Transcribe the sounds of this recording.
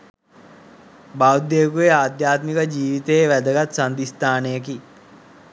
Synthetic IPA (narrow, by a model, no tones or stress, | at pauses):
baud̪jeːkujeaːd̪jaːt̪mikəd͡ʒiːʋit̪əːʋæd̪əɡat̪sand̪ist̪aːnəjək̬i